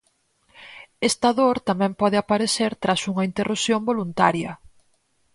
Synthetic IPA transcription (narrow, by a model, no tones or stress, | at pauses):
est̪aðoɾt̪amɛ̃mpɔðɪapaɾeθeɾt̪ɾasuŋɐint̪erʔusjombolunt̪a̰ɾjɐ